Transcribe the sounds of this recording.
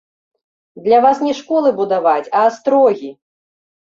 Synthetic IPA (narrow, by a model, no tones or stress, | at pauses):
d̪lʲavasnʲɛʂkɔlˠɨbud̪avat͡sʲɐst̪ɾɔɣʲi